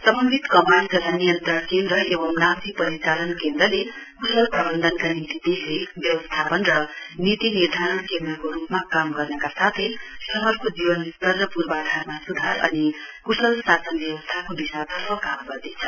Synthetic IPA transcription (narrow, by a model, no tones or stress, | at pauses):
sʌmʌnbʱit̪kʌmand͡zʌlanijʌnt̪rʌrkend̪ɾʌʔebʌmnat̪ipʌɾit͡salʌnkend̪rʌle | kusʌlprʌbʌnd̪ʱʌnkanit̪id̪islebjʌwʌst̪ʰapʌnrʌnit̪inird̪ʱaɾʌɳkend̪rʌkoɾupmakamɡʌrnʌkasat̪ʰʌjsʌɦʌrkod͡zibʌnsʌrːʌpurbad̪ʱarmasud̪ʱaɾʌ̰nikusʌlsasʌnbjʌwʌst̪ʰakobisat̪ʌrɦʌkamɡʌrd̪et͡sʰʌ